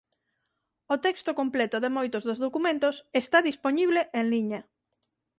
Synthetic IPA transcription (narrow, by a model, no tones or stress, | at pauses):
ot̪ɛkst̪okomplɛt̪ʊðemojt̪ʊzðozðokumẽnt̪ʊsest̪aðisponiβleʔeŋliɲɐ